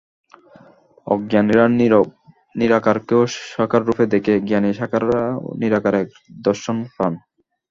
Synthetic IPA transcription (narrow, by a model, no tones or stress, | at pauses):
ɔ̰ɡɡjaniɾa | niɾakaɾkeoʃakaɾːufʰed̪ekeɡjaniʃakaɾa̰niɾakaɾɛk | d̪ɔɾʃonfan